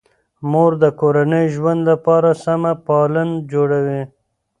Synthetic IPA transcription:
moɾd̪əkoɾanəjʒwand̪lapɑɾasamapɑlənd͡ʒoɽawi

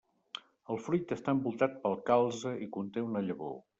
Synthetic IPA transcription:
əlˠfɾujt̪əst̪aəmbulˠt̪at̪̚pəlˠkalˠzəʔikunt̪eunəʎəβo̰

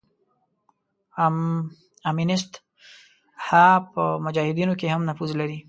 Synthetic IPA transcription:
aminɪst̪ | hapəmʊd͡ʒɑhɪd̪inokehamnafuzlaɾi

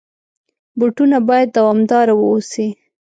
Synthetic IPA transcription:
buʈunabɑjad̪̚ːawɑmd̪ɑɾawəosi

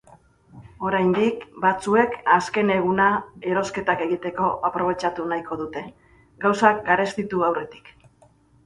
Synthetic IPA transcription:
o̞ɾajnd̪ikbat͡sue̞kaske̞ne̞ɣ̞unae̞ɾo̞ske̞t̪ake̞ɣit̪e̞ko̞ʔapɾo̞β̞e̞t͡ʃat̪unajko̞ðut̪e̞ | ɡawsakɡaɾe̞st̪it̪uawre̞t̪i̥k

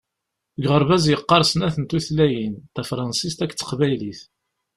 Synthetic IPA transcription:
ɡʁəɾˤvæzjəqːɑɾˤsnæθənt̪uθlæjint̪æfɾˤɑnsist̪ækːt͡sːə̥qvæjliθ

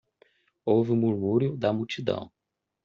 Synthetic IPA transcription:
owvɪũmuɾmuɾjʊd̪ɐmut͡ʃid̪ɐ̰̃w̃

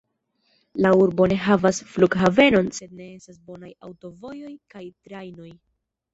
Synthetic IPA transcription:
lauɾbo̞ne̞ɦavasfluɡɦave̞no̞nse̞d̪̚ne̞e̞stasbo̞naja̰wto̞vo̞jo̞jkajtɾajno̞j

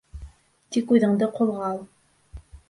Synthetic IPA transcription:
t̪ikuðɤ̆ɴd̪ɤqŏlˠʁɑlˠ

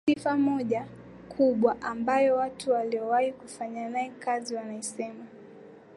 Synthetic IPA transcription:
ifamɔʄa | kʰuɓwaʔambajɔwatuwaliɔwahikufaɲanaɛkaziwanaisɛma

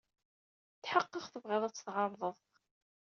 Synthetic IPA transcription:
θħəqːəχθəvʁɪðˤæt͡sːt̪ˤʁɑɾðˤəðˤ

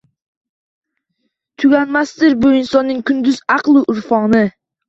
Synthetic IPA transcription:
t̪ʰʊɡʲanmast̪ɪɾbʊɪnsɒnːɪŋkʰʊnd̪ʊzɑqlˠɪʔʊɾfɒnɪ

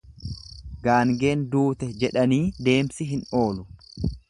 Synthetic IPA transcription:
ɡaːŋɡe̞ːnd̪uːt̪ɛd͡ʒɛᶑɐniːd̪e̞ːmsɪɦɪno̞ːlʊ

